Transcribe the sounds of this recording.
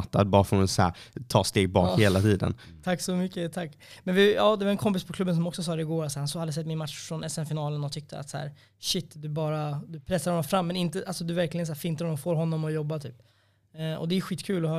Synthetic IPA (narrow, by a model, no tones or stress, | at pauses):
t̪ːa̰d̪bɑːɾfoɾʊnsæ̰ːɾt̪ʰɑ̰ːst̪eːɡ̚bɑ̰ːkheːlat̪ʰiːd̪ə̰n | t̪ʰakːsɔmʏkːət̪ʰakːmɛnvɪjɑːd̪ɛvaɾɛnkʰɔmpɪspʰɔkʰlɵbːəns̬ɔmɔksɔs̬ɑːɾɛɪɡoːɾat̪sæɾhansɔhad̪ːəs̬ɛt̪̚ːmɪnmat̪ʂfɾɔnɛsɛmfɪnɑːlənɔt̪ʰʏk̚t̪ʰə̰a̰t̪sæ̰ːɾ | ʃɪt̪ːd̪ɵbɑːɾad̪ɵpʰɾɛsːaɾhɔnːɔmfɾamːɛnɪnt̪əʔalsɔd̪ɵvæɾklɪɡənsæːɾfɪnt̪̬aɾɔnɔmfoːɾɦɔnːɔmɔjɔbːat̪ʰyːpː | ʔɔ̰d̪ɛjɵɧiːt̪kʰʉ̟ːlɔhœː